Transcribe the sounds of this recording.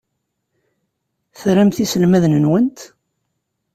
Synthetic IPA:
θɾæmθisəlmæðnənwənt̪

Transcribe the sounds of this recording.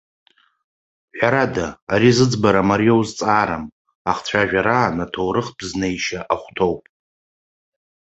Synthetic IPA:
ħᶣʷaɾadaːɾizɨd͡zbaɾamaɾiowzt͡sʼaːɾam | aχt͡ɕʷʰaʒᶣaɾaːnatʰowɾɨχb̥znejʃaʔaχʷtʰo̞wpʼ

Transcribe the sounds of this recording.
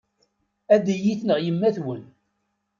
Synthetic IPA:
æd̪ijiθnəʁjəmːæθwən

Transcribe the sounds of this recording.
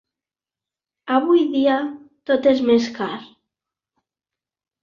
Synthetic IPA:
aβujðiat̪ot̪ezmeskaɾ

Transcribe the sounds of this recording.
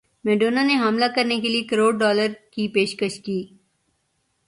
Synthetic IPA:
meːɖoːnaneɦɐmlakɐɾnekeliekɐɾoːɖ̚ɖɔːləɾkipeːʃkəʃkiː

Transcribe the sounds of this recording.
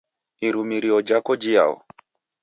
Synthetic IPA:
iɾumiɾiɔd͡ʒakɔd͡ʒia̰ɔ̰

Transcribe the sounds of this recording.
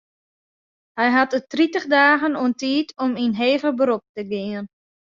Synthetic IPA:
hɛjɦatətritəxdaːɣənuəntiːtʰɔminɦeːvəbəɾop̚təɡɪən

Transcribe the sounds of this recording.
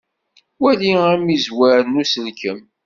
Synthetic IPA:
wæliæmizwæɾənːusəlkəm

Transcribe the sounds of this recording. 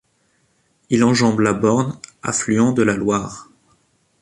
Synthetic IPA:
ilɑ̃ʒɑ̃blabɔʁna̰flyɑ̃d̪əlalwaːʁ

